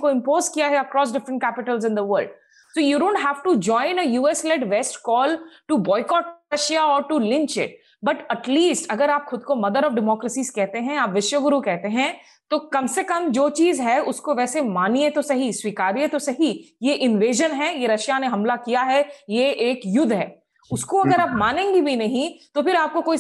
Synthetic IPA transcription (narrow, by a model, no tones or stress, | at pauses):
koɪ̃mpoːzkijaɦɛɐkɾɔːsɖɪfɾə̃ɳʈ̚kæːpɪʈəlzɪ̃nd̪əʋəɾlɖ | soːjuɖõːɳʈɦæːʋʈud͡ʒɔ̃ːɪ̃nəjuːɛslɛɖʋɛsʈkɔːlʈubɔːɪkɔːʈɾɐʃjaɔːɾʈulɪ̃nt͡ʃɪ̰ʈ̚ | bɐʈɐʈliːsʈɐɡəɾaːpxʊd̪̚komɐd̪əɾɔfɖɪmɔːkɾəsiːz̥kɛɦt̪eɦɛ̃aːpʋɪʃwəɡʊɾukɛɦt̪eɦɛ̃ | t̪oːkɐmsekɐmd͡ʒoːt͡ʃiːzɦɛʊskoʋɛːsemaːniet̪osɐɦiswiːkaːɾiet̪osɐɦijeʔɪ̃nʋeːʒənɦɛjeɾɐʃjaneɦɐmlakijaɦɛjeʔeːkjʊd̪ʱɦɛ̰ː | ʊskoɐɡəɾaːpmaːnẽːŋɡibʱinɐɦĩt̪opɪɾaːp̚kokoːi